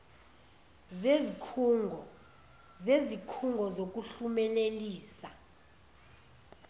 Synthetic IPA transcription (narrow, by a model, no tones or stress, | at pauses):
zezikʰ | zezikʰuŋɡʱɔzok̬ʼuɬumɛleliːsa